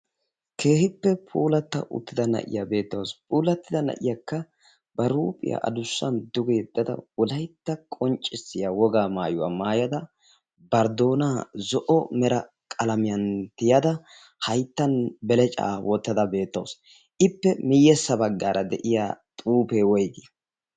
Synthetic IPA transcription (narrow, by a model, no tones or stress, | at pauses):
kʰeːhɪpːɛpʰuːlɐt̪ːɐ̰ʔʊ̰t̪ːɪd̪ɐnɐ̰ʔɪ̰jabe̞ːt̪ːɐwspʰʼuːlɐt̪ːɪd̪ɐnɐ̰ʔɪ̰jɐkːɐ | bɐɾuːpʼɪ̰jɐ̰ʔɐ̰d̪ʊsːɐ̰nd̪ʊɡeːd̪ːɐd̪ɐ̰wɔlɐjt̪ːɐkʼɔnt͡ʃʼːɪsːɪjawɔɡaːmaːjʊwa̰ːmaːjɐd̪ɐ | bɐɾd̪o̞ːnaːzɔʔɔmɛɾɐ | kʼɐlɐmɪjɐnt̪ɪjɐd̪ɐ | hɐjt̪ːɐnbɛlɛt͡ʃʼa̰ːwʔɔt̪ːɐd̪ɐbe̞ːt̪ːɐws | ʔɪpːɛmɪjɛsːɐbɐɡːaːɾʔɐd̪ɛʔɪjaːt̪ʼuːpeːwɔjd̪ɪjɐ